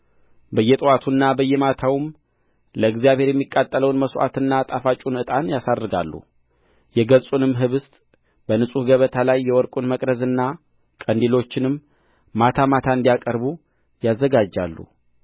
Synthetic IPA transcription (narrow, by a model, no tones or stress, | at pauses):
bəjːɛt̪ʼɨwat̪ʰunːabəjːɛmat̪ʰawɨm | ləɨɡzijaβhe̞ɾjɛmːikʼːat̪ʼːələwnməsʔa̰t̪ɨnːat̪ʼafat͡ʃʼunɨt̪ʼanjasadːɨɡa̰lːṵ | jɛɡəsʼunɨmːɦɨβɨst̪ʼ | b̥ənɨsʼuhɡəβət̪ʰalajːɛwɔɾkʼunməkʼd̪əzɨnːa | kʼənd̪ilo̞t͡ʃːɪnɨmː | at̪ʰamat̪ʰaɨnd̪ijakʼəɾbu | jazːəɡad͡ʒːa̰lːṵ